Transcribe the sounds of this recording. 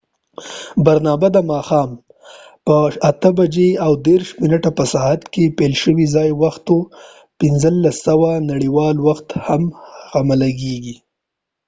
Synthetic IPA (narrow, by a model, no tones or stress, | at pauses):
baɾnɑbad̪amɑxɑːm | pəat̪əbad͡ʒeawd̪eɾʃmɪnaʈapəsaɦat̪kepelʃəwizɑjwaxt̪o | pɪnzəlːasawanaɽiwɑlwaxt̪hamɣamalaɡeɡi